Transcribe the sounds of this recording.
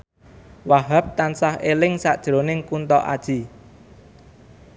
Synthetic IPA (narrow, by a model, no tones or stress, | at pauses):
waɦap̚t̪ansahelɪŋsa̰ʔd̥ʒ̥ɾonɪŋkunt̪ɔʔa̰d̥ʒ̥i